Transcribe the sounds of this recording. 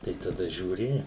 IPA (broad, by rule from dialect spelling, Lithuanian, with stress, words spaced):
tɐɪ tɐˈdɐ ʒʲuːˈrʲɪ